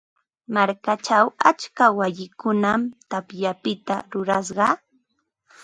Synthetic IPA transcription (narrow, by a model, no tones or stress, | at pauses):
maɾkat͡ʃawat͡ʃkawajɪkʊnamt̪apjapɪt̪aɾʊɾas̬ɢɑ